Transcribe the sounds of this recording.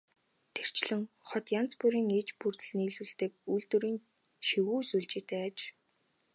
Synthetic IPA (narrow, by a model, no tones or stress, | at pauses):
t̪ʰer̥t͡ɕɮɘ̆ŋ | χɔt̪jan̥t͡spuɾiːŋet͡ɕpurt̪ɘ̆ɮniːɮuɮt̪ɘ̆k̚ujɮt̪uɾiːn | ʃiwuːsuɮt͡ɕeːt̪eːt͡ɕ